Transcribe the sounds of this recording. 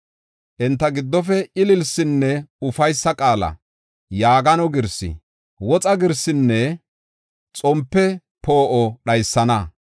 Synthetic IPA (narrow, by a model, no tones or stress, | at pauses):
ʔɛnt̪ːɐɡɪd̪ːɔf̬ɛʔɪlɪlsɪnːɛʊfɐjsːɐkʼaːlɐ̰ | jaːɡɐnɔɡɪɾsɪ̰ | wɔt͡sʼɐɡɪɾsːɪnːɛ | t͡sʼɔmpːɛ | po̞ːʔɔɗɐjsːɐnɐ